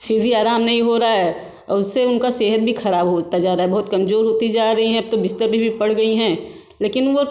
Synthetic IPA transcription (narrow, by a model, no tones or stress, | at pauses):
fʰɪɾbʱiaːɾaːmnɐɦĩɦoɾaɦaɦɛː | ɔ̰ːɾʊsːeʊnkaseːɦət̪̚bʱixɐɾaːbɦot̪ad͡ʒaːɾaːɦɛbɐɦʊt̪kɐmzoːɾɦoːt̪id͡ʒaːɾɐɦiɦɛ̃ɐp̚t̪obɪst̪əɾbʱibʱipɐɽ̤ɡɐiɦɛ̃ː | leːkɪnʋo